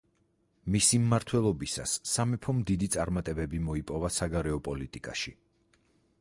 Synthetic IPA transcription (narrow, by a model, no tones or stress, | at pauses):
misimːaɾt̪ʰwɛlˠɔbisa̰sːamɛpʰɔmd̪id̪it̪sʼaɾmat̪ʼɛbɛbimɔipʼɔvasaɡaɾɛɔpʼɔlit̪ʼikʼa̰ʃi